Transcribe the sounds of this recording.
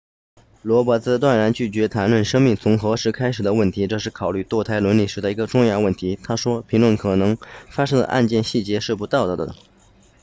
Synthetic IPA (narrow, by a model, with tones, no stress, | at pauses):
lwɔ˧˥pwɔ˧˥t͡sɹ̩˥t̪wa˥˩nɻa˧˥nt͡ɕy˥˩t͡ɕɥɛ˧˥t̪ʰa˧˥nlwə˥˩nʂɤ˥ŋmi˥˩ŋt͡sʰʊ˧˥ŋxɤ˧˥ʂɻ̩˧˥kʰa˥ɪʂɻ̩˨˩d̪ə˦wə˥˩nt̪ʰi˧˥ʈ͡ʂɤ˥˧ʂɻ̩˥˩kʰɑ˨˩ʊly˥˧t̪wɔ˥˩t̪ʰa˧˥ɪlwə˧˥nli˨˩ʂɻ̩˧˥d̪ə˧i˧˥ɡə˧ʈ͡ʂʊ˥˧ŋjɑ˥˧ʊwə˥˩nt̪ʰi˧˥t̪ʰa˥ʂwɔ˥pʰi˧˥ŋlwə˥˩nkʰɤ˨˩nɤ˧˥ŋfa˥ʂɤ˥ŋd̪ə̰˧ʔa̰˥˧nt͡ɕjɛ˥˧nɕi˥˩t͡ɕjɛ˧˥ʂɻ̩˥˩pu˧˥t̪ɑ˥˩ʊd̪ə˨˩d̪ə̰˩